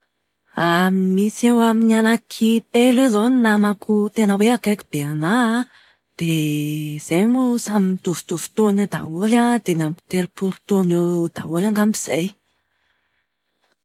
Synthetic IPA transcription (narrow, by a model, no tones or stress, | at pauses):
aimisewaminanakʰit̪elezoninamakut̪enəweakaki̥b̥eana | d̪̥e | z̥emusamit̪uvu̥t̪uvu̥t̪onad̪a̰ulad̪enampit̪eɾipuɾut̪oned̪̥a̰ulaŋɡambiz̥ej